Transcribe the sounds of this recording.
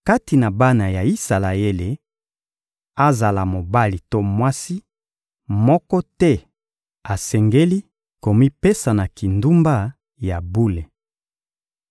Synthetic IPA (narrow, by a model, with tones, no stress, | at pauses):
ka˦ti˨na˨ba˦na˨ja˨i˦sa˨la˨e˦le˨ | a˦za˨la˨mo˨ba˦li˨to˦mwa˦si˦ | mɔ˦kɔ˦tɛ˦ | a˨sɛ˨ŋɡe˦li˦ | ko˨mi˦pe˦sa˨na˨ki˨ndu˦mba˦ | ja˨bu˦le˨